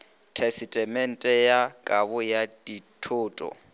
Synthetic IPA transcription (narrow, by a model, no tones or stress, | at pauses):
tʰɛsɪtʼɛmɛn̩tʼɛjakʼabʊjaditʰʊːtʼɔ̰